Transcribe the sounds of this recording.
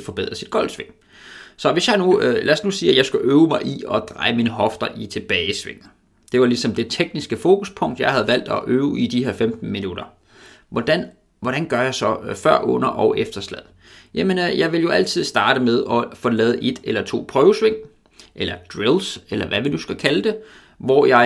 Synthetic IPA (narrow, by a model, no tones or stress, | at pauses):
fɒ̽b̥e̝ð̰ˠʁɐsid̥̚ɡ̥ɒ̽l̰d̥sʋe̝ŋ̰ | sɒ̽ʋe̝sjɑ̈ɪnulæɐsnusiːæjɑ̈ɪsɡ̥æʔøːʊəmɑ̈ɪʔiɒ̽d̥ʁɑ̈ɪəmiːnəɦɒ̽fd̥ɐʔit͡sʰe̝b̥ɛːɪsʋe̝ŋ̰ | d̥e̝ʋɑ̈lisɒ̽md̥e̝t͡sʰeɡ̥nisɡ̥əfo̝ːkʰuspʰɔ̽ŋ̰d̥jɑ̈ɪhæð̞̩ˠʋæl̰d̥ɒʔøːʊid̥ihe̝ɐ̰femd̥n̩minuɾ̥ɐ | ʋɒd̥æn | ʋɒɾ̥ænɡ̥ɶɐjɑ̈ɪsɒ̽fɶɐ̰ʔɔ̽n̰ɐʔɒ̽ʊʔefd̥ɐslɛð̰ˠ | jæme̝njɑ̈ɪʋe̝ljo̝ʔæl̰t͡sʰið̞̰ˠsd̥ɑ̈ːɾ̥əmeð̞ˠɒ̽fɒ̽lɛːð̞̩ˠʔe̝d̥elɐt͡sʰo̝̰ːpʰʁœːʊəsʋe̝ŋ̰ | ʔelɐd̥ʁilselɐʋæʋinusɡ̥ækʰæləd̥e̝ | ʋɒ̰jɑ̈ɪ